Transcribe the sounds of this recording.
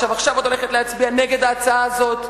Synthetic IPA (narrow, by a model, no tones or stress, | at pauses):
avaχʃavo̞t̪o̞leχetleat͡sbianeɡe̞d̪aːt͡saaːzo̞t